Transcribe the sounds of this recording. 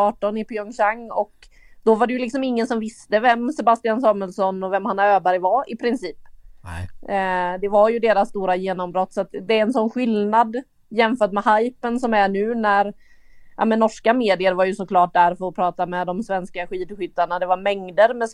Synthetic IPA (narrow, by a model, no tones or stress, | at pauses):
ɑːʈɔnɪpiɔŋɕaŋːɔk | d̪̥ɔvaɖɛjɵlɪksɔmɪŋːənsɔmvɪst̪əvɛmsɛbast̪ɪansɑːməlsɔnɔvɛmhanːaɾøːbæɾjvaɪpʰɾɪnsiːp | d̪ɛvaɾjɵd̪eːɾasːt̪uːɾajeːnɔmbɾɔt̪ːsat̪d̪ɛæɾɛnsɔnːɧɪlnad̪ | jɛmfœːʈmɛhajpənsɔmæɳʉ̟ːnæɾ | ʔa̰mɛnnɔʂkameːd̪ɪəɾvaɾjɵsɔkʰlɑːʈ̚d̪æɾfœɾɔpʰɾɑːt̪amɛd̪ɔmsvɛnskaɧiːd̪ɧʏt̪ːaɳad̪ɛvaɾmɛŋd̪əɾmɛs